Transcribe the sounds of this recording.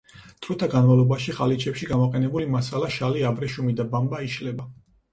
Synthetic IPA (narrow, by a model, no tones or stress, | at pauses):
t̪ʰʼɾut̪ʰaɡanmavlˠɔbaʃiʁalit͡ʃʰɛpʃiɡamɔqʼɛnɛbulimasalaʃaliabɾɛʃumid̪abambaiʃlɛba